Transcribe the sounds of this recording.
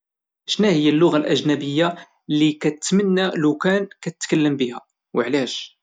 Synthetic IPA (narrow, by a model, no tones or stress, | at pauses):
ʃnæhəjːælːʊɣalʔæʒnæbəjːa | likæət̪mənːælʊkænkæt̪ət̪kəlːəmbihæ | wəʕlæʃ